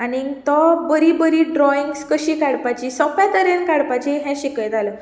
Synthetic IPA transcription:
anit̪ɔbəɾibəɾiːɖɾɔiŋɡskəɕiːkaɽpat͡ɕiːsɔ̃pat̪əɾenkaɽpat͡ɕiɦɛ̃ɕikəjt̪alə

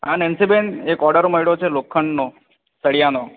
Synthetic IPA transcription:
a̰nensibenekɔɾɖəɾoməiɭot͡ʃʰelokʰːəɳɖno | səɽijano

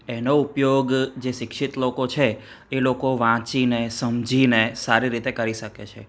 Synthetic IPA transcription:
enoupjoɡd͡ʒeʃɪkʃit̪lokot͡ʃʰeː | lokoʋãt͡ʃinesəmd͡ʒʱinesaɾiɾit̪ekəɾiʃəkḛt͡ʃʰḛ

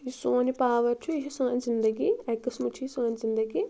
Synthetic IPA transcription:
jisoːnipaːʋɐɾt͡ʃʰuiɦisaːnʲzind̪ɐɡiɐkːɐsmut͡ʃʰiisaːnʲzind̪ɐɡi

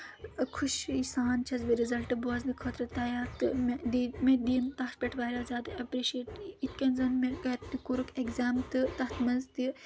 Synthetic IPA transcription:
kʰuʃisaːnt͡ʃʰɐzbiɾizɐlʈɨboːznɨkʰoːt̪ɾɐt̪ɐːjaːɾt̪ɨmd̪imed̪iːnt̪ɐt͡ʃpʲeʈʰʋaːɾʲaːzʲjaːd̪ɨɐpɾeʃeːʈit̪kɐnzɐnmekɐt̪t̪ikuɾukekzaːmt̪ɨt̪ɐht̪mɐnzt̪i

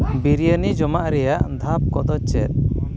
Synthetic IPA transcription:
biɾijənid͡ʒɔmaʔɾɛjaʔd̪ʱap̚kɔd̪ɔt͡ʃɛt̪̚

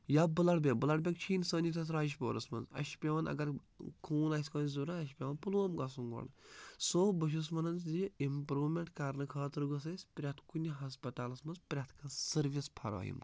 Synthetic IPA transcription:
jaːbɨlɐɽbʲebɨlɐɽbʲɐkt͡ʃʰiːnsəːnʲit̪ʰɐs̬ɾaːjiʃ̬boːɾɐsmɐnzɐ̰ʃpʲeʋɐnɐ̰ɡɐɾ | kʰuːnaːsʲkɐːnzuɾaɐʃpʲeʋɐːnpuloːmɡɐs̬uŋɡɐ̰ɽɨ̰soːbəʃ̬us̬mɐnɐnzd̪iimpɾuːmʲeɳʈkaɾnɨkʰɐːt̪ɨɾɡəs̬ɐsʲpɾʲat̪kunʲiɦɐs̬pɐt̪aːlɐsmɐnzpʲɾʲat̪ʰkʰɐsɨɾʋispʰɐɾa̰ːjḭmk

